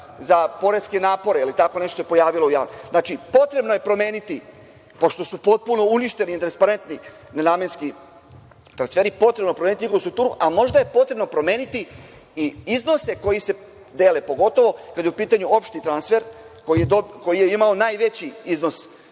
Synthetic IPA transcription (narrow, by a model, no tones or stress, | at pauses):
zapo̞ɾeskenaːpo̞ɾeilit̪ako̞ne̞ʃt̪oepo̞jaːʋilo̞uja̰ːʋnoznaːt͡ʃipo̞t̪ɾe̞bno̞jepɾo̞me̞ːnit̪i | po̞ʃt̪o̞supo̞t̪̚puno̞uniʃt̪e̞nit̪ɾanspaɾe̞nt̪ni | nenaːmjenski | t̪ɾansfe̞ːɾipo̞t̪ɾebnopɾomenit̪ɲixoʋust̪ɾuk̚t̪uːɾuʔamo̞ʒd̪aje̞po̞t̪ɾe̞bno̞pɾo̞mjeːnit̪i | iizno̞se̞ko̞jise̞ | d̪e̞ːlepo̞ɡo̞t̪o̞ʋo̞kad̪jeupiːt̪aɲuo̞pʃt̪it̪ɾansfe̞ɾkojied̪oko̞jijeimao̞naːjʋe̞t͡ɕiizno̞s